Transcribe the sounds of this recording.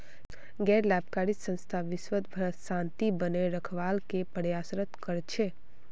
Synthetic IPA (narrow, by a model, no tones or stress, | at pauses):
ɡɛːɾlaːb̚kaːɾid͡ʒsə̃nst̪ʰaʋɪsʋət̪bʱəɾʃãːnt̪ibəneɾəkʰʋaːlkepəɽjaːsɾət̪kəɾt͡ʃʰeː